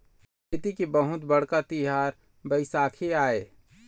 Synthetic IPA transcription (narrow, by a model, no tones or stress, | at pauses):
kʰeːt̪ikibəɦʊt̪bəɽ̤kat̪ɪɦaːɾ | bəɪsaːkʰeaːeː